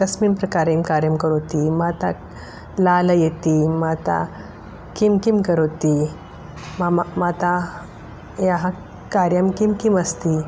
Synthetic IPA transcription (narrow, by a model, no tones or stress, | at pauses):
əsmiːmpɾəkaɾimkaɾjəmkəɾot̪imat̪a̰ | laləjet̪imat̪a̰ | kimkimkəɾot̪i | mamat̪ã | jaɦã | kaɾjamkimkiməst̪i